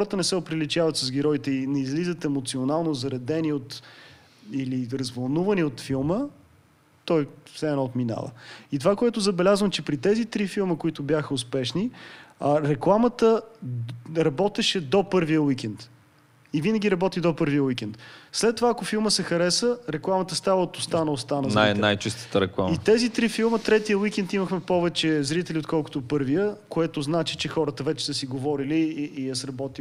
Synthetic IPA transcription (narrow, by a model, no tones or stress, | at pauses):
xɔɾət̪ənɛsɛopɾilit̪avət̪səzɡʲɛɾɔit̪ɛinɛizlizət̪ɛmot̪sionalˠnozɐɾɐd̪ɛniot̪ | iliɾɐzvɐlˠnuvəniot̪filˠmə | t̪ɔjfsɛnɔot̪mina̰və̰it̪ovakoɛt̪ʊzɐbɛlʲazvəmt͡ʃɛpɾit̪ɛzit̪ɾifilˠməkoit̪ʊbjaxəʊspɛʃni | ɾɛklˠamət̪ə | ɾɐbɔt̪ɛʃɛd̪opɤɾvijəwik̟ɛnt̪ | ivinəɡ̟ʲiɾɐbɔt̪id̪opɤɾvijəwik̟ɛnt̪slɛt̪ːovaːkofilˠməsɛxɐɾɛsəɾɛklˠamət̪əst̪avəot̪ost̪anəost̪anɐzaij̪ɛnajt͡ʃist̪ə̥t̪əɾɛklˠa̰mit̪ɛzit̪ɾifilˠmət̪ɾɛt̪ijəwikɛnt̪iməxmɛpɔvɛt͡ʃɛzɾit̪ɛliot̪kɔlˠko̥t̪opɤɾvijəkoɛt̪oznat͡ʃit͡ʃɛxɔɾət̪əvɛt͡ʃɛ̥səsiɡovɔɾiliːəsɾɐbɔt̪i